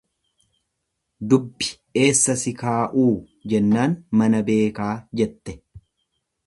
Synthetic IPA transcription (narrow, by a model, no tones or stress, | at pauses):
d̪ʊbːɪ̥ | e̞ːsːɐsɪkaːʔuː | d͡ʒɛnːaːnmɐnɐbe̞ːkaːd͡ʒɛt̪ːɛ̥